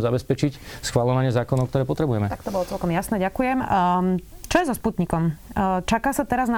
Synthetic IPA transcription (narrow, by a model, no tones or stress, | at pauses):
zabɛspɛt͡ʃicsxʋalɔʋaɲɪɛzaːkɔnɔʊkt̪ɔɾɛːpɔt̪ɾɛbujɛmɛt̪ak̚t̪ɔbɔlɔt͡sɛlkɔmjasnɛɟakujɛm | t͡ʃɔjɛzɔsput̪ɲikɔmt͡ʃakaːsat̪ɛɾazna